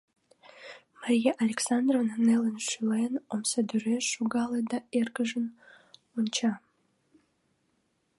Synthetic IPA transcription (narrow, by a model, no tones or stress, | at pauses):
maɾijeʔalʲeksand̪rovnnelənʃylejnomsəd̪yɾeʃuɡɑlˠed̪ɑerkəʒən | unʲt͡ɕɑ